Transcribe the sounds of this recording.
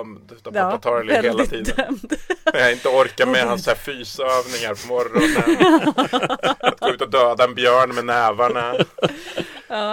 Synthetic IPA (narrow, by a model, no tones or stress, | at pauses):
md̪t̪aaat̪ʰɑːɾɛlheːlat̪ʰiːd̪əmd̪mɛnhaɪnt̪əɔɾkaɾmɛhansæːfyːsaøːvnɪŋaɾpʰɔmɔɾːʊn | tat̪̚ɡoʉ̟ːt̪ɔd̪øːd̪aɛnbjœːɳmɛnɛːvaɳa